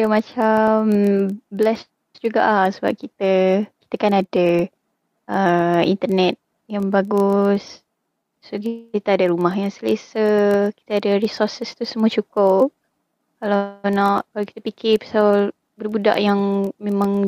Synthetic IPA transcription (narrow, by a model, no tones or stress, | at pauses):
ajamãt͡ʃamblɛs | d͡ʒuɡaʔasəba̰p̚kit̪əki̥t̪əkanada | ʔəḭnt̪ərnɛt̪̚ | jaŋbaɡʊs | sokit̪əadaɾumaɦjaŋsələsəki̥t̪əadaɾisɔrsəst̪usəmuat͡ʃukʊp̚ | kalanaʔkalawki̥t̪əpikɪpḁsaw | bərbuda̰ʔjaŋmemãŋ